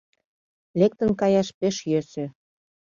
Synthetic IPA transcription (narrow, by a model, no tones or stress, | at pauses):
lek̚t̪ə̆nkɑjɑʃpeʃjøʃĕ